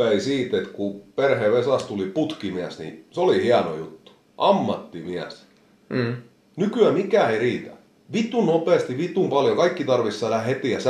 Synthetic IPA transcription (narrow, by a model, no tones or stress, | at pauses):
æisiːt̪et̪kuperheʋesɑst̪uliput̪kimiæsnḭseolihiɑno̰jut̪ːu̥ | ʔɑmːɑt̪ːimiæs | nykyæmikæːˑeiriːt̪æ̰ | ʋit̪unnopeːˑst̪iʋit̪uˑmpɑljokɑikːit̪ɑrʋisːɑlæhæhet̪iˑjɑs